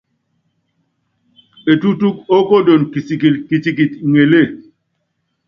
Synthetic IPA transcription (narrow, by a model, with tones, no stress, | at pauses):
e˨tu˦tu˦ko˦ko˦do˨nki˨si˨ki˨lki˨t͡ʃi˨ki˨tŋe˨le˦˨